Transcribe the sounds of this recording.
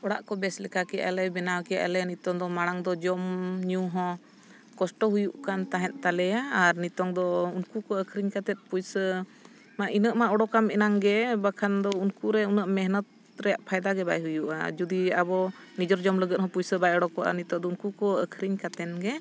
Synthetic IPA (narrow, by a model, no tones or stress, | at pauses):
ɔɽaʔkɔbɛslɛkʰakɛjaʔa̰lɛbɛnawkɛja̰ʔa̰lɛnit̪ɔŋd̪ɔmaɽ̃aŋd̪ɔd͡ʒɔmɲũɦɔ̃ | kɔsʈɔɦujuʔkant̪aɦɛ̃t̪̚ˀt̪alɛjaːɾnit̪ɔŋd̪ɔunkukɔəkʰɾiɲkat̪ɛt̪̚pujsə | maʔinəʔmaʔɔɽɔkamɛnaŋɡɛbakʰand̪ɔunkuɾɛunəʔmɛɦnət̪̚ | ɾɛjaʔpʰajd̪aɡɛbajɦujuʔa̰d͡ʒud̪iabɔnid͡ʒɔɾd͡ʒɔmləɡət̪̚hɔ̃pujsəbajɔɽɔkɔʔa̰nit̪ɔʔd̪ɔunkukɔəkʰɾiɲkat̪ɛnɡɛ